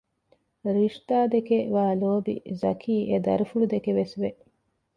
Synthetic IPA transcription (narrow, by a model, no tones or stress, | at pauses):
ɾiʂt̪aːd̪ekeʋaːloːbḭzɐ̰kʰiːʔed̪ɐ̰ɾufulud̪ekeʋesʋeʔ